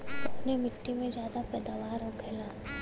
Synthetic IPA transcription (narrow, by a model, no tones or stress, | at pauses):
ɐpnimɪʈːimẽzjaːd̪apɛːd̪aːʋaːɾɦokʰeːlaː